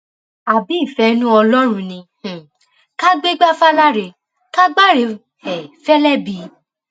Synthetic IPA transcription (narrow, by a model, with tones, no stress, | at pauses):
a˨bi˨˦˨fɛ˧˦nũ˦ɔ˧lɔ˦ɾ̃ũ˧nĩ˧˨ | ka˦ɡ͡be˦ɡ͡ba˦fa˦la˦ɾe˧˨ | ka˦ɡ͡ba˦ɾe˧˦ | ɛ˨fɛ˦lɛ˦bi˨˦